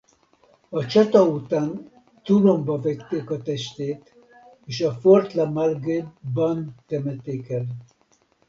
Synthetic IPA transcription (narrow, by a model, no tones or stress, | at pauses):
ɒt͡ʃɒt̪ɒut̪aːn | t̪ulombɒvɛkt̪ːeːkɒt̪ɛʃt̪eːt̪ | eːʃɒfort̪lɑmalɡebɒnt̪ɛmɛt̪eːkɛl